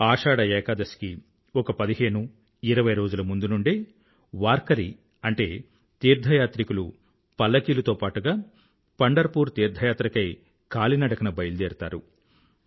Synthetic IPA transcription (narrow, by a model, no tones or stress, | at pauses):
aːʂaːɽɐɛːkaːd̪ɐski | ɔkɐpɐd̪iɦe̞ːnu | iɾɐʋɐjɾo̞ːd͡ʒulɐmund̪unuɳɖi | ʋaːɾkɐɾi | ɐɳʈe̞ː | t̪iːɾd̪ʱɐjaːt̪ɾikulu | pɐlːɐkiːlɐt̪oːpaːʈuɡaː | pɐɳɖɐɾpuːɾt̪iːɾd̪ʱɐjaːt̪ɾɐkɐj | kaːlinɐɽɐkɐnɐbɐjld̪eːɾt̪a̰ːɾṵ